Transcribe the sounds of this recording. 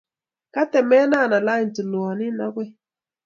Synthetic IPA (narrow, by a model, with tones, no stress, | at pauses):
ka˦tɛ˨mɛ˦na˦˨na˨la˦i˨ntu˨lu˨ɔ˨nɪ˦na̰˦ɡwe˦